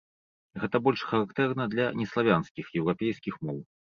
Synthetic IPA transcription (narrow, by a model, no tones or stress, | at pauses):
ɣɛt̪ɐbɔlʲʂxɐɾakt̪ɛrnɐd̪lʲɐnʲɛslˠavʲanskʲixjɛwɾapʲejskʲixmɔw